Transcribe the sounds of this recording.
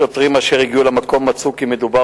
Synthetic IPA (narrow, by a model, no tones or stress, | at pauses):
ot̪ʁimaʃeʁiɡiulemako̞mːat͡sukimed̪uba